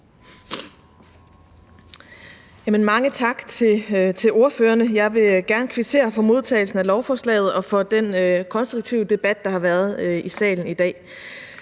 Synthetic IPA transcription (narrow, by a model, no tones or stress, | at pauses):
jæmənmɑ̈ŋət͡sʰɑ̈ɡ̥t͡sʰe̝t͡sʰe̝o̝ɐføːɐnəjɑ̈ɪʋe̝ɡ̥æɐnəkʰʋet͡sʰe̝̰ːɐfɒ̽mo̝ð̞ˠt͡sʰɛ̰ːɪl̩sn̩ælɒʊfɒːslɛ̰ːð̞̩ˠɒ̽fɒ̽d̥enkʰɒ̽nsd̥ʁuɡ̥̚t͡sʰiʊd̥e̝b̥æd̥ːɑ̈hɑ̈ʋæːɐðˠisɛ̰ːln̩id̥ɛ̰ː